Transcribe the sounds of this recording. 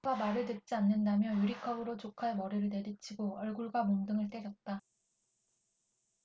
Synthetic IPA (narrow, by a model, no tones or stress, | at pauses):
ɡamaɾɯɭtɯt̚t͡ɕ͈ianːɯndamjʌjuɾikʰʌbɯɾot͡ɕokʰaemʌɾeɾɯɭne̞dɯt͡ɕʰiɡoʌɭɡuɭɡwamoŋdɯŋɯɭt͈ed͡ʑʌt̚t͈a